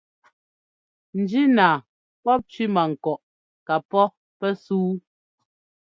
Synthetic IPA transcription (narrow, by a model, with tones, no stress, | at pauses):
n̩˨d͡ʒi˦naː˨ | pɔ˦p̚t͡ʃɥi˦ma˨ŋ̩˨kɔ˨ʔ | ka˨pɔ˦ | pɛ˦suː˦